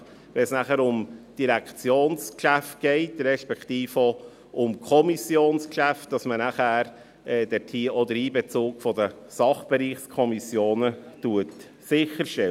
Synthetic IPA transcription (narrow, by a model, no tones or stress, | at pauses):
ʋɛnsnæχəɾʊmd̥iɾækt͡sjoːnskʃæft̚ɡ̥ɛɪtɾɛʃpɛkχtiːfo | ʔʊmkʰɔmisjoːnskʃæft̚d̥ɑsmənæχæːɾ | ɛːd̥ɛtʰiːɔdəɾiːbɛt͡suːkfɔdəsɑχb̥eɾiːχskʰɔmisjoːnətuət | sɪχəɾʃtɛ